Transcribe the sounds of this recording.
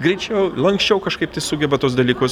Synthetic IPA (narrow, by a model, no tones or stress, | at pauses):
ɡɾʲɛɪt͡ʃʲɛʊlˠɐŋksʲt͡ʃʲɛʊkɐʃkɐɪpt̪ɐɪsʊɡʲɛbɐt̪uɔsd̪ɐlʲiːkʊs